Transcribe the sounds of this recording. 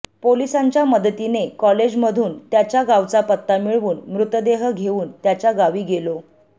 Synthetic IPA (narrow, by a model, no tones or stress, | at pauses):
polisãɲt͡ɕjaməd̪ət̪inekɔled͡ʑməd̪ʱuːnt̪jat͡ɕjaɡaʋt͡sapət̪ːamiɭʋuːnmɾut̪d̪eɦəɡʱeʋuːnt̪jat͡ɕjaɡaʋiːɡelo